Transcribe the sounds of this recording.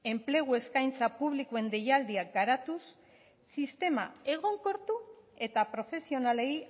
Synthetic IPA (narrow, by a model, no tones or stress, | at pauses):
e̞mple̞ɣ̞ue̞skajnt͡sapuβ̞likue̞nd̪e̞jald̪iakɡaɾat̪usː | ist̪e̞ma̰e̞ɣ̞o̞ŋko̞ɾt̪ue̞t̪apɾo̞fe̞sio̞nale̞j